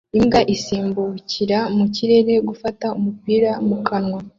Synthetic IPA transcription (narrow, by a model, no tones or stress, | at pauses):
imɡaʔisiːmbuciɾamuciɾe̞ɾe̞ɡufataumupiːɾamukanŋwa